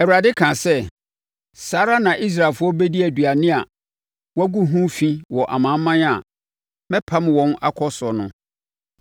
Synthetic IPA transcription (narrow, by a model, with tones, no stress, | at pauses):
ɛ˨wa˨dɪ˦kʰã˨sɛ˦ | saː˦ɾa˦nã˨ʔi˦s̬ɾa˨lfʊ˦ɔ˦be˦di˦æ˨dɥa˨nɪ̃˦a˨ | wæ˦ɡu˦ɦũ˦fĩ˦wɔ˨ʔa̰˨mã˨˦m˦mːã˦n˦a˨ | mɛ̃˦pʰa˦m˦wɔ̃˦na̰˦kʰɔ˦sɔ˨nʊ̰̃˨